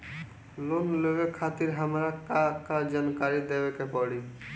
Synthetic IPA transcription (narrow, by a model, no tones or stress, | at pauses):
lonloekʰat̪iɾɦamɾakakad͡ʒankaɾid̪ebekepɔɽi